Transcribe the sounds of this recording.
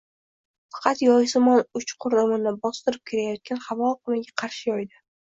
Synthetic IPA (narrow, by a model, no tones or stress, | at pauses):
fɑ̥qʰɑt̪jɒjsɪmɒnʊt͡ʃqʰʊɾɪmɪnɪbɒst̪ɪɾɪp̚kʲʰeɾajɒt̪̚kʲanhɑvɒqɨmaɡʲaqʰɑɾʃɪjɒjd̪ɪ